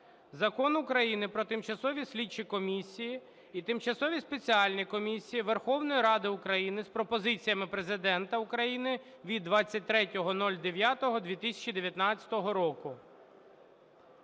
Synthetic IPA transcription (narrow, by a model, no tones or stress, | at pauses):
zɐkɔnʊkɾɐjinɪpɾɔt̪ɪmt͡ʃɐsɔʋʲisʲlʲit͡ʃikɔmʲisʲijiː | t̪ɪmt͡ʃɐsɔʋʲispet͡sʲiɑlʲnʲikɔmʲisʲijiʋerxɔwnɔjiɾɑd̪ɪʊkɾɐjinɪspɾɔpɔzɪt͡sʲijɐmɪpɾezɪd̪ɛnt̪ɐukɾɐjinɪ | ʋʲid̪ːʋɑt͡sʲːɐt̚ʲt̪ɾɛtʲɔɦɔnɔlʲd̪eʋʲjat̪ɔɦɔd̪ʲʋʲit̪ɪsʲɐ̥t͡ʃid̪eʋʲjɐt̪nɑt͡sʲɐ̥t̪ɔɦɔɾɔkʊ